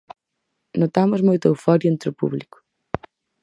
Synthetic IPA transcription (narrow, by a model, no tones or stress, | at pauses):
not̪amʊzmojt̪wfɔɾjẽnt̪ɾʊpṵβlikʊ̥